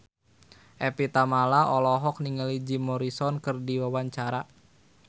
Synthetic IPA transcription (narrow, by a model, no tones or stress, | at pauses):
ʔɛpit̪amalaʔɔlɔɦɔk̚niŋəlid͡ʒimɔɾisɔnkɨrdiwawaɲt͡ʃaɾa